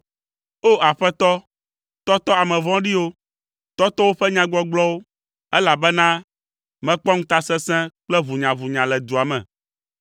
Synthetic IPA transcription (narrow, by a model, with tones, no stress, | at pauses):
o˦a˨ɸɛ˦t̪ɔ˦ | t̪ɔ˦t̪ɔ˦a˨mɛ̃˨vɔ̃˦ɖi˦wo˦ | t̪ɔ˦t̪ɔ˦wo˦ɸɛ˦ɲã˦ɡɔ˦ɡ͡blɔ˦wo˦ | ɛ˦la˨bɛ˦nã˦ | mɛ̃˨k͡pɔ˦ŋ̩̃˦t̪a˦sɛ̃˦sɛ̃˦k͡plɛ˦vu˨ɲã˨vu˨ɲã˨lɛ˨d̪u˨a˨mɛ̰̃˨